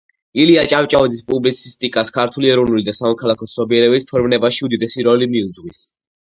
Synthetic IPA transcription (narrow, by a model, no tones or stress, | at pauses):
iliat͡ʃʼawt͡ʃʼavid̪zispʼublit̪sʰist̪ʼikʼaskʰaɾt̪ʰuliɛɾɔvnulid̪asamɔkʰalˠakʰɔsʰnɔbiɛɾɛbispʰɔɾvnɛbaʃiud̪id̪ɛsiɾɔlimiud̪zʁwis